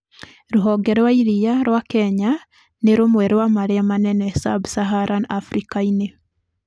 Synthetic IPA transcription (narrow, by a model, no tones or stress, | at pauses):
ɾuɦoɡeɾwaiɾijaɾwakeɲa | neɾomweɾewamaɾeamanenesabusaɦaɾʔanafɾikaine